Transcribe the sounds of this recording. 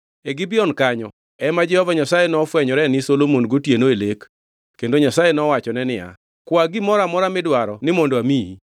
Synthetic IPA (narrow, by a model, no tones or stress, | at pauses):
eɡɪbɪɔnkaɲɔ | ɛmad͡ʒɛhɔvaɲasajenɔfwɛɲɔɾɛnɪsolomonɡotjenoelek | kendoɲasajenɔwat͡ʃɔnɛnɪa̰ | kwaɡɪmɔɾamɔɾamɪdwaɾɔnɪmondoamii